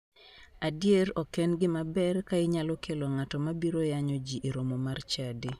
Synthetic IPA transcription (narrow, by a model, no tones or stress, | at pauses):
adjeɾɔkɛnɡɪmabɛrkaɪɲalɔkʰeloŋatɔmabiɾojaɲod͡ʒiʔeɾomomart͡ʃadi